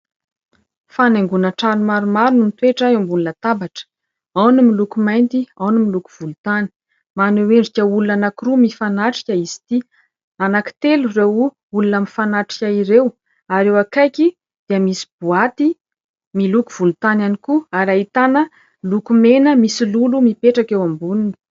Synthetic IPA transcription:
fanaŋɡunaʈ͡ʂanumaɾumaɾunumit̪weʈ͡ʂaembulunət̪abaʈ͡ʂə̥ | awnimilukumajnt̪iawnimiluku̥v̥ulut̪ani̥ | maneweɳɖ͡ʐikʲəulunanakirumifanaʈ͡ʂi̥kʲaizi̥t̪i | anaki̥t̪elurew | ulunamifanaʈ͡ʂi̥kʲaiɾew | aɾewakajki | d̪̥iəmisi̥buat̪i | milukuv̥ulut̪ananikuaɾaɦit̪anə | lukumenəmisilulumipeʈ͡ʂakewambunini̥

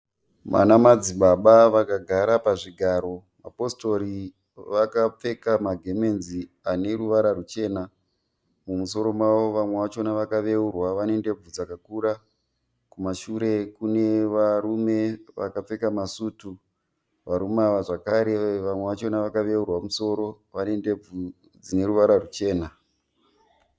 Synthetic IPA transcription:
ma̰namad͡ziɓaɓaʋakaɡʱaɾapaʐiɡʱaːɾo̞ | ma̰po̞sto̞ɾi | ʋakap͡fe̞kamaɡʱe̞me̞nzi | ane̞ɾuʋaɾarut͡ʃe̞ːna | mumuso̞ɾo̞mwaʋo̞ʋamwe̞ʋat͡ʃo̞naʋakaʋe̞urwaʋanende̞b͡vud͡zakakuːɾa | kumaʃuɾe̞kune̞ʋaɾume̞ʋa̰kap͡fe̞kamasutu | ʋaɾumaʋaʐakaɾe̞ʋamwe̞ʋat͡ʃo̞naʋakaʋe̞urwamuso̞ɾo̞ | ʋane̞ndeb͡vu | d͡zine̞ɾuʋaɾarut͡ʃe̞ːna

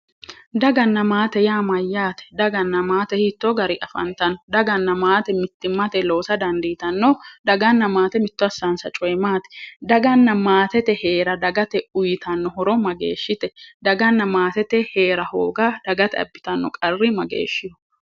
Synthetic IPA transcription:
d̪ɐɡɐnːɐmaːt̪ɛjaːmɐjːaːt̪ɛ̥d̪ɐɡɐnːɐmaːt̪ɛhiːt̪ːɔɡɐɾɪʔɐfɐ̰nt̪ɐnɔd̪ɐɡɐnːɐmaːt̪ɛmɪt̪ːɪmːɐt̪ɛlo̞ːsɐd̪ɐnd̪iːt̪ɐnːɔd̪ɐɡɐnːɐmaːt̪ɛmɪt̪ːɔɐsansɐt͡ʃʼɔjɛmaːt̪ɛ̥d̪ɐɡɐnːɐmaːt̪ɛt̪ɛhe̞ːɾɐd̪ɐɡɐt̪ɛʊjɪt̪ɐnːɔhɔɾɔmɐɡḛːʃːɪt̪ɛd̪ɐɡɐnːɐmaːt̪ɛt̪ɛhe̞ːɾɐho̰ːɡad̪̥ɐɡɐt̪ɛɐ̰bːɪt̪ɐnːɔ̰kʼɐrːɪmɐɡḛːʃːɪjɔ̥

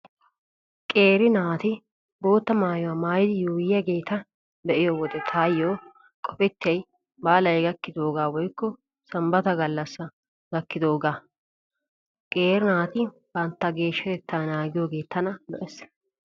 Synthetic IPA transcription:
kʼe̞ːɾɪnaːt̪ɪ | bo̞ːt̪ːɐmaːjʊwaːmaːjɪd̪ɪjuːjɪjɐɡe̞ːt̪ːɐ | d̪ɛʔɪjoːwɔd̪ɛt̪ʰaːjːoː | kʼɔpɛt̪ːɛj | baːlɐjɡɐkːɪd̪o̞ːɡaːwɔjkːɔ | sɐmbɐt̪ɐɡɐlːɐsːɐ | ɡɐkːɪd̪oːɡaː | kʼeːɾɪnaːt̪ɪ | b̥ɐnt̪ːɐɡe̞ːʃːɐt̪ɛt̪ːaːnaːɡɪjoːɡe̞ːt̪ːɐnɐd̪ɔ̰ʔɛs

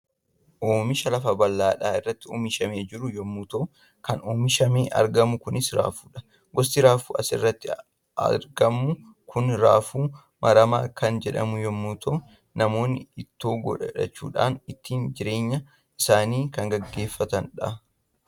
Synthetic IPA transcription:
ʔoːmɪʃɐlɐfɐbɐlːaːᶑaːɪrːɐt̪ːɪoːmɪʃɐmeːd͡ʒɪɾʊjɔmːuːt̪oː | kɐnoːmɪʃɐmeːʔɐ̰ɾɡɐmʊkʊnɪsɾa̰ːfu̥ːᶑɐ̥ | ɡɔst̪ɪɾaːfṵːɐsɪrːɐt̪ːɪ | ɐ̰ɾɡɐmːʊ | kʰʊnɾa̰ːfuː | mʔɐɾɐmaːkɐnd͡ʒɛᶑɐ̰mʊjɔmːut̪ʰoː | nɐmo̞ːnːɪɪt̪ːoːɡɔ̰ᶑɐᶑɐt͡ʃːṵːᶑa̰ːnɪt̪ːiːnd͡ʒɪɾe̞ːɲːɐ | ʔɪsaːniːkɐŋɡɐɡːe̞ːfːɐt̪ɐnᶑɐ̰

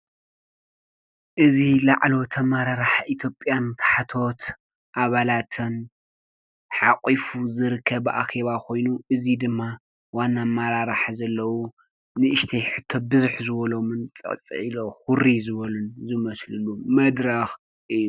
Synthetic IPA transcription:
ʔɨzilaʕlo̞t̪ʰɐmaɾaɾaħaʔit̪ʰjo̞pʼjant̪ʰḁħat̪ʰo̞t̪ | ʔaβalat̪ʰɨn | ħakʼifuzɨɾɨkʰːɐβʔa̰xeβakʰo̞jnuʔɨzid̪ɨmːa | wanːamaɾaɾaħazɐlːɐwu | nɨʔɨʃt̪ʰɐjħɨt̪ʰːo̞bɨzɨħzɨβɐlo̞mɨnt͡sʼɐ̰ʔʼt͡sʼɨ̰ʕiloxʊɾizɨβɐlunzɨmɐslɨlumɐd̪ɾɐx | ʔɨjːu

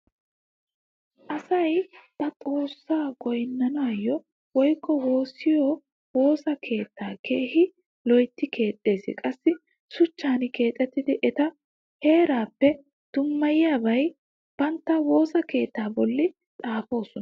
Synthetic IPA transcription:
ʔɐsɐjbɐt̪ʼo̞ːsːaːɡɔjnːɐnaajːɔ | wɔjkːɔho̞ːsɪjɔ | wo̞ːsɐkʰe̞ːt̪ːaːke̞ːhɪ | lɔjt̪ːɪkʰe̞ːt̪ʼːe̞ːzɪ̰kʼɐsːɪ | sʊt͡ʃːaːnɪke̞ːt̪ʼːɛt̪ːɪd̪ɪʔɛt̪ɐ | he̞ːɾaːpːɛ | d̪̥ʊmːɐjɪjaːbɐj | b̥ɐnt̪ːɐwo̞ːsɐke̞ːt̪ːaːbɔlːɪ | tʼaːfo̞ːsɔn

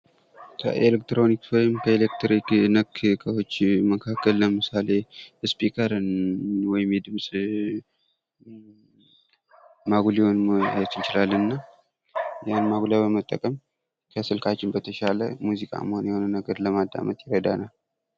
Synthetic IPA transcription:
kʰə̰ʔelekt̪ɾo̞nikswɔjɪmkʰəelek̚t̪ʰɾiknəkkʰʼəwo̞t͡ʃːməkʰakʰːəlːəmɨsale̞ɨspikʰʼəɾɨnwɔjɪmjɛd̪ɨmsʼ | maɡulihonmat͡ʃːɪnt͡ʃɪlalːɨnːa | janmaɡulabəmət̪ʼːə̰kʼəm | kʰəsɨlkʰat͡ʃːɪnbət̪ʰəʃaləmuzikʼa̰mːəhonjɛho̞nənəɡəɾləmad̪ːa̰mət̪ʼjɪɾəd̪anal

